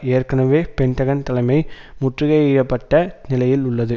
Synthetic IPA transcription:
eːɾkɐnɐʋeːpɛɳʈɐɣɐnt̪ɐlɐɪmɐɪ | mʊʈrɯɣɐɪɛjɐpːɐʈːɐnɪlɐjɪlʊɭːɐðɯ

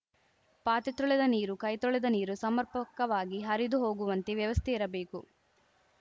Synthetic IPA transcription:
paːt̪it̪ɾɔɭɛd̪ɐniːɾukɐjt̪ɔɭɛd̪ɐniːɾusɐmɐɾpɐkɐʋaːɡiɦɐɾid̪uɦo̞ːɡuʋɐnt̪eʋjɐʋɐst̪ʰɛiɾɐbeːku

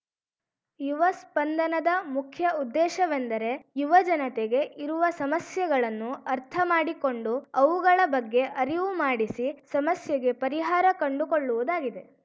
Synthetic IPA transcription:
juʋɐspɐnd̪ɐnɐd̪ɐmukʰjɐud̪ːɛːʃɐʋend̪ɐɾe̞juʋɐd͡ʒɐnɐt̪eɡe̞ʔiɾuʋɐsɐmɐsjɐɡɐɭɐnːuɐɾt̪ʰɐmaːɽiko̞ɳɖuɐʋuɡɐɭɐbɐɡːe̞ʔɐɾiʋumaːɽisisɐmɐsjɐɡe̞pɐɾiɦaːɾɐkɐɳɖuko̞ɭːuʋud̪aːɡid̪e̞

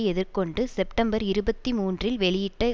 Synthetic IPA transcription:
ɛðɪɾkɔɳɖɯsɛpʈɐmbɐɾɪɾɯbɐt̪ːimuːndrɪlʋɛɭɪjɪʈːɐ

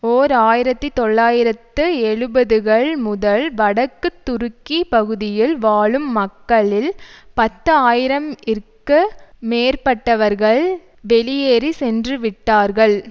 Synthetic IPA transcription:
oːɾaːjɪɾɐt̪ːit̪ɔɭːaːjɪɾɐt̪ːɯɛɻɯbɐðɯɣɐɭmʊðɐɭʋɐɽɐkːɯt̪ːʊɾɯkːipɐɣɯðɪjɪlʋaːɭɯmːɐkːɐɭɪlpɐt̪ːɯaːjɪɾɐmɪɾkːɯmeːɾpɐʈːɐʋɐɾɣɐɭ | ʋɛlɪjeːɾisɛndrɯʋɪʈːaːɾɣɐɭ

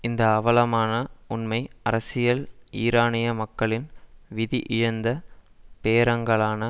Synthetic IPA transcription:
ɪnd̪ɐːʋɐlɐmaːnɐʊnmɐɪɐɾɐsɪjɐliːɾaːnɪjɐmɐkːɐɭɪnʋɪðiʔɪɻɐnd̪ɐ | peːɾɐŋɡɐɭaːnɐ

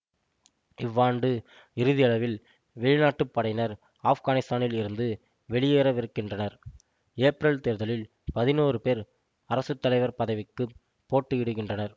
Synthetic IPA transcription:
ɪʋːaːɳɖɯ | ɪɾɯðɪjɐɭɐʋɪl | ʋɛɭɪnaːʈːɯpːɐɽɐɪnɐɾ | aːfɣaːnɪst̪aːnɪlɪɾɯnd̪ɯ | ʋɛɭɪjeːɾɐʋɪɾɯkːɪndrɐnɐɾ | eːpɾɐɭt̪eːɾðɐlɪl | pɐðɪnoːrɯpeːɾ | ɐɾɐsɯt̪ːɐlɐɪʋɐɾpɐðɐʋɪkːɯ | pːoːʈːɯɪɽɯɣɪndrɐnɐɾ

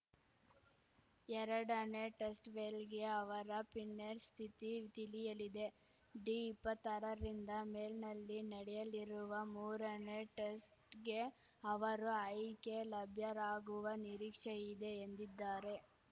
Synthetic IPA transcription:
ɛɾɐɽɐneʈesʈʋeːlɡe̞ɐʋɐɾɐpinːeɾst̪ʰit̪it̪ilijɐlid̪e̞ | ɖiːpːɐt̪ːɐɾɐɾind̪ɐmeːlnɐlːinɐɽɛjɐliɾuʋɐmuːɾɐneʈesʈɡe̞ | ɐʋɐɾuɐjke̞lɐbʱjɐɾaːɡuʋɐniɾiːkʂɐid̪e̞ːnd̪id̪ːaːɾe̞

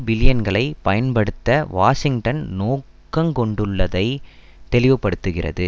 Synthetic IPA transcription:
bɪlɪjɐnɡɐɭɐɪpɐjɐnpɐɽɯt̪ːɐʋaːʂɪŋɡʈɐnnoːkː | ɐmkɔɳɖɯɭːɐðɐɪ | t̪ɛlɪʋɯpːɐɽɯt̪ːɯɣɪrɐ̰ðɯ

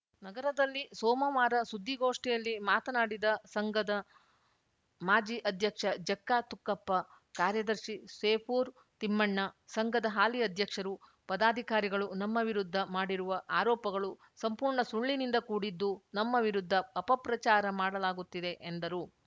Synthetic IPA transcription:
nɐɡɐɾɐd̪ɐlːisɔːmɐʋaːɾɐsud̪ʱːiɡoːʂʈɛjɐlːimaːt̪ɐnaːɽid̪ɐsɐŋɡɐd̪ɐ | maːd͡ʒiʔɐd̪ʱjɐkʂɐd͡ʒɐkːaːt̪ukːɐpːɐ | kaːɾjɐd̪ɐɾʂiseːpʰuːɾ | t̪imːɐɳːɐsɐŋɡɐd̪ɐɦaːliɐd̪ʱjɐkʂɐɾu | pɐd̪aːd̪ʱikaːɾiɡɐɭunɐmːɐʋiɾud̪ʱːɐmaːɽiɾuʋɐʔaːɾɔːpɐɡɐɭu | sɐmpuːɾɳɐsuɭːinind̪ɐkuːɽid̪ːunɐmːɐʋiɾud̪ʱːɐːpɐpɾɐt͡ʃaːɾɐmaːɽɐlaːɡut̪ːid̪e̞ʔend̪ɐɾu

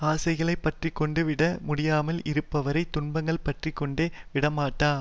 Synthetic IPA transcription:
aːsɐɪɣɐɭɐɪpːɐʈrikːɔɳɖɯʋɪɽɐmʊɽɪjaːmɐlɪɾɯpːɐʋɐɾɐɪt̪ːʊnbɐŋɡɐɭpɐʈrikːɔɳɖeːʋɪɽɐmaːʈːaː

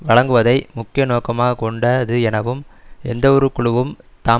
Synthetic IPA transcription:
ʋɐɭɐŋɡɯʋɐðɐɪmʊkːɪjɐnoːkɐmaːɣɐkɔɳɖɐɐðɯɛnɐʋɯmɛnd̪ɐɔɾɯkːʊɭɯʋɯmt̪aː

